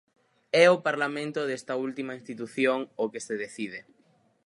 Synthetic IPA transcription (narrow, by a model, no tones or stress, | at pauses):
ɛopaɾlamẽnt̪oðest̪ɐult̪imaĩnst̪it̪uθjoŋokeseðeθið̞e